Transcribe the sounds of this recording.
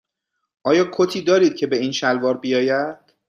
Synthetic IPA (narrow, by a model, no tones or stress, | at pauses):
ʔɒːjɒːkʰot̪ʰiːd̪ɒːɾiːd̪̥̚cʰe̞be̞iːnʃælvɒːɾbijɒːjæd̪̥